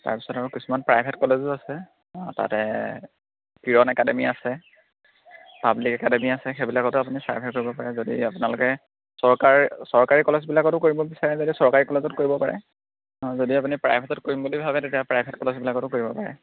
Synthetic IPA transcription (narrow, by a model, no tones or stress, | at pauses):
ta̰ɹpi̥sɔtaɹukisumanpɹajbʱetkɔlezuasɛ | ta̰tɛ̰ | kiɹɔnɛkademiasɛ | pablikɛkademiasɛxebilakɔtʊapunipɹa̰jbʱɛt̚koɹibɔpaɹɛzodḭapʊnalʊkɛ | sɔɹkasɔɹkaɹikɔlezbilakɔtʊkoɹibɔbisaɹɛzodisɔɹkaɹikɔlezɔtkoɹibɔpaɹɛ̰ | zodiapunipɹajbʱetɔtkoɹimbulibʱabɛtetijapɹajbʱetkɔlezbilakɔtʊkoɹibɔpaɹɛ̰